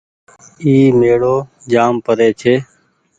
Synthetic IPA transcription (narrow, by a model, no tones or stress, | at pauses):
iːmeːɽoː | d͡ʒaːmpəɾeːt͡ʃʰeː